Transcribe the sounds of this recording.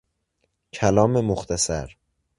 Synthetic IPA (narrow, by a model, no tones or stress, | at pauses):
cʰælɒːmemoxt̪ʰæsæ̰ɾ